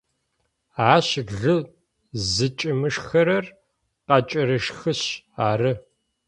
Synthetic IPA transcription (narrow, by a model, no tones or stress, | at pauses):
aːɕɮɨ | zɨt͡ʃʼɪmɨʂxɐɾɐr | qɑt͡ʃʼɐɾɨʂxɨɕ | aːrɨ